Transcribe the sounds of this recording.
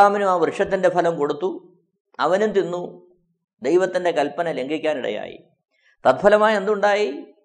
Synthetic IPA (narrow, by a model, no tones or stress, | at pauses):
aːmɐnumaːʋrɨʂɐt̪ːinde̞pʰɐlɐmko̞ɽut̪ːu | ɐ̰ʋɐnunt̪inːu | d̪ejʋɐt̪ːinde̞kɐlpɐnɐle̞ŋɡʱikʲːaːniɽɐ̰ja̰ːjḭ | t̪ɐt̪̚bʰʱɐlɐmaːje̞nd̪uɳɖaːji